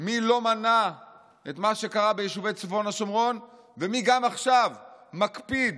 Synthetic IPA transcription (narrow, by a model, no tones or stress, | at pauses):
milo̞mana | etmaʃe̞kaʁabejeʃuve̞jt͡sefo̞naʃomʁo̞n | ve̞miɡamaχʃavmakpid̪